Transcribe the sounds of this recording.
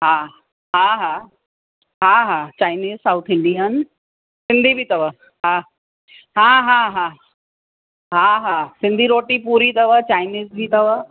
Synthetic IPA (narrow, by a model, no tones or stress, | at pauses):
ɦa | ɦaɦa | ɦãɦat͡ɕajniːzsawt̪ʰɪɳɖijən | sɪnd̪ʱibʱiːt̪ɐʋə | ɦã | ɦãɦãɦã | ɦãɦasind̪ʱiɾoːʈiːpuːɾiːt̪əʋət͡ɕajniːzbʱiːt̪ɐʋa